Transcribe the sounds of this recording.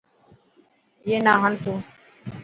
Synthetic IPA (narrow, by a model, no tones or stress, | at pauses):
jenaɦant̪u